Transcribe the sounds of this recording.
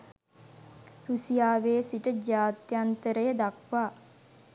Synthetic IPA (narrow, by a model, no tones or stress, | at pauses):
ɾusijaːʋeːsiʈəd͡ʒaːt̪jant̪əɾəjəd̪akʋaː